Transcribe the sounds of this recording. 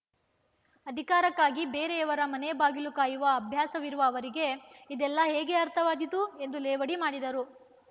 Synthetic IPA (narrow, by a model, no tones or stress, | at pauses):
ɐd̪ʱikaːɾɐkːaːɡibeːɾeɐʋɐɾɐmɐnebaːɡilukaːjuʋɐːbʱjaːsɐʋiɾuʋɐːʋɐɾiɡe̞id̪ɛlːɐɦeːɡe̞ɐɾt̪ʰɐʋaːd̪it̪ue̞nd̪ulɛːʋɐɽimaːɽid̪ɐɾu